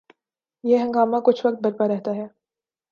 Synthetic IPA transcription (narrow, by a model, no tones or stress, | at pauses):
jeɦɐ̃ŋɡaːmãkʊt͡ʃʰʋɐk̚t̪̚bɐɾpaɾɛɦt̪aɦɛː